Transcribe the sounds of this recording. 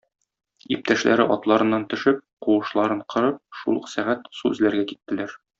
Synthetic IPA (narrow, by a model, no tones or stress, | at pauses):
ip̚t̪æʃlæ̰ɾɘʔɒt̪lˠɑɾɤ̆nːɑnt̪ɵ̆ʃɘp̚quɤ̆ʃlˠɑɾɤɴqʰɤ̆ɾɤp̚ʃṵlˠɤ̆qsæʁæt̪suɘ̰̆zlæɾɡækit̪ːɘ̆læɾ